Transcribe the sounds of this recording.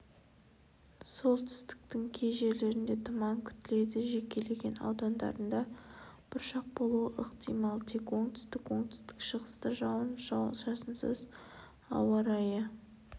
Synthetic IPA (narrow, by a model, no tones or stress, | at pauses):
so̞lˠt̪ʰʏ̥st̪ɪ̥k̚t̪ɪŋkʲʰe̞jʒe̞ɾle̞ɾɪnd̪e̞t̪ʰʊmɑŋkʲʰʏ̥t̪ɪle̞jd̪ɪʒe̞kʲe̞le̞ɡʲe̞nɑ̰wd̪ɑnd̪ɑ̰ɾənd̪ɑb̥ʊɾʃɑq̚bo̞lˠuəʔəqt̪ijmɑlˠt̪ʰekwo̞ŋt̪ʰʏ̥st̪ɪkwo̞ŋt̪ʰʏ̥st̪ɪkʃəʁəst̪əʒɑwənʒɑw̪ˠʒɑsənsə̰z | ɑ̰wɑɾɑjə